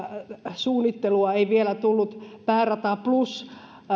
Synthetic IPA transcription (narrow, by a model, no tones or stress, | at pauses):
suːnːit̪ːeluɑeiʋielæt̪ulːut̪pæːrɑt̪ɑplus